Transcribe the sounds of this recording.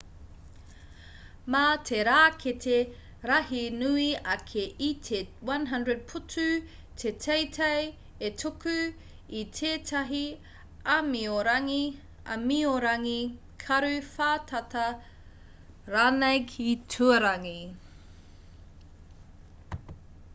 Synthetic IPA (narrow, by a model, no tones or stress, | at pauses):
matʰeɾaːkʰetʰe | ɾɐhinʉiɐkʰeʔitʰewɐ̃nɦɐ̃ndɹəd̚pʰutʰʉ | tʰetʰejtʰej | etʰokʉ | itʰeːtʰɐɦi | ɐmioɾɐŋi | ɐ̰mioɾɐŋi | kʰɐɾʉfaːtʰɐtɐ | ɾanejkʰitʰuɐɾɐŋi